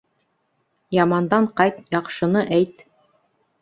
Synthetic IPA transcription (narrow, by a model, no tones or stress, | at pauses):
jɑmɑnd̪ɑɴqɑjt̪jɑqʃɤ̆nɤʔæjt̪